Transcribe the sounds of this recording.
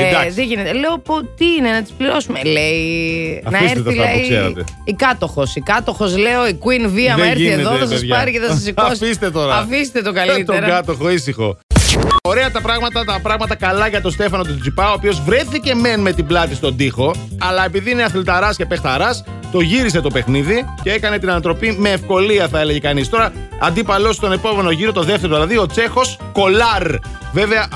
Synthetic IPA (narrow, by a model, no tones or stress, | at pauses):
d̪ɐðeʝine̞t̪ele̞opot̪iinenɐt̪i̥spliɾo̞sumeleinɐfisetɾeθt̪ilɐisseɾɐ̰t̪eikɐt̪o̞xo̞sikɐt̪o̞xo̞sle̞o̞ikwinviɐðeeɾʝiieneðoenɐs̬ɐsʝpɐɾiceðɐsɐsikosfist̪et̪o̞ɾɐɐfis̬t̪et̪okɐlitt̪oɾɡɐt̪oxoisixo̞̰ | o̞ɾe̞ɐt̪ɐpɾɐɣmɐt̪ɐt̪ɐpɾɐɣmɐt̪ɐkɐlɐʝɐt̪o̞st̪e̞fɐno̞t̪ud͡zipɐoːpio̞zvɾe̞θice̞me̞nme̞t̪iblɐt̪ist̪o̞nd̪ixo̞ɐlɐe̞piðiineɐθlt̪ɐɾɐsce̞pext̪ɐɾɐs | t̪o̞ʝiɾise̞t̪o̞pe̞xniðice̞e̞kɐne̞t̪inɐnɐt̪ɾo̞pime̞ːfko̞liɐθɐe̞leʝekɐnist̪o̞ɾɐ | ɐ̰nd̪ipɐlo̞st̪o̞ne̞po̞me̞no̞ʝiɾo̞t̪o̞ðe̞ft̪e̞ɾoðilɐðio̞t͡se̞xo̞s | ko̞lɐɾ | ve̞ve̞ɐ